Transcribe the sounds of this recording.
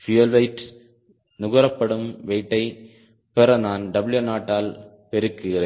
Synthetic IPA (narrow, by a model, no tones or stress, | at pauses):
fɪjɐlʋɐɪʈ | nʊɣɐɾɐpːɐɽɯmʋɛɪʈːɐɪ | pɛɾɐnaːnɖɐbɪljunaːʈːaːl | pɛɾɯkːɯɣɪɾeː